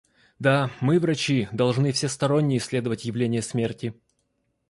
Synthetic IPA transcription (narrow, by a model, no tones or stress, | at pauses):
d̪amɨvrɐt͡ɕid̪ɐlˠʐnɨfsʲest̪ɐɾo̞nʲːɪjəsʲlʲed̪əvətʲjɪvlʲenʲɪjəsmʲertʲɪ